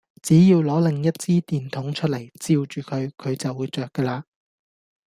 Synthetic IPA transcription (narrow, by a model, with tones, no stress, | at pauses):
t͡siː˨˥jiː˧wlɔː˨˥lɪ˨ŋjɐ˥t̚t͡siː˥t̪iː˨˩nt̪ʰʊ˨˥ŋt͡ʃʰɵ˥lɐ˨˩jt͡siː˧wt͡ʃyː˨kʰɵ˨˧ɥkʰɵ˨˧ɥt͡sɐ˨wːuː˨˧jt͡ʃœː˨kːəː˧laː˧